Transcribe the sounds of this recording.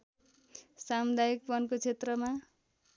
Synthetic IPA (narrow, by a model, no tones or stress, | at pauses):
samud̪ajik̚pʌnkot͡sʰet̪rʌma